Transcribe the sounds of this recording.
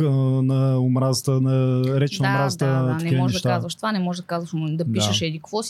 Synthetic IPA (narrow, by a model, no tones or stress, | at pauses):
nɐʊmɾazət̪ənɐɾɛt͡ʃnmɾazət̪əknɛmiɔʒnɛd̪ʃt̪aazvɐʃt̪vanɛmɔʒɛʒd̪ɐkazvɐʃd̪ɐpdiʃəʃɛd̪ikvɔs